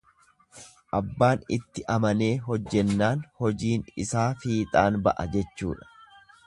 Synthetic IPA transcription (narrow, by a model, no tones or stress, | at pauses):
ʔɐbːaːnɪt̪ːɪʔɐmɐne̞ːɦɔd͡ʒːɛnːaːnhɔd͡ʒiːnɪsaːfiːt̪ʼaːnbɐ̰ʔɐ̰d͡ʒɛt͡ʃːṵːᶑɐ̥